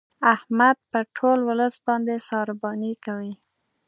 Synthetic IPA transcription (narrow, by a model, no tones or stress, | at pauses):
ahmad̪̚pəʈʰolwʊləsbɑnd̪esɑɾbɑnikawi